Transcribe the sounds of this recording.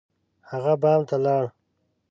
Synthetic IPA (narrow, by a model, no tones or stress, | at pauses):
haɣabɑːmt̪alɑɽ